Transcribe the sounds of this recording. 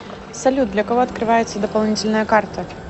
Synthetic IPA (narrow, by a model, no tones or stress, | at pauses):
sɐlʲud̪̚d̪lʲɐkɐvɔɐt̪kɾɨvajɪt̪sːəd̪əpalˠnʲit͡sʲɪlʲnəjəkart̪ə